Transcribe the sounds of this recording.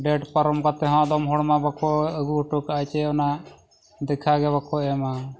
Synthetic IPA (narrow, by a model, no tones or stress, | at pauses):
ɖɛʈpəɾɔmkat̪ɛɦãd̪ɔmɦɔɽmabəkʰɔəɡuʈukajt͡ʃɛɔna | d̪ɛkʰaɡɛbakʰɔɛma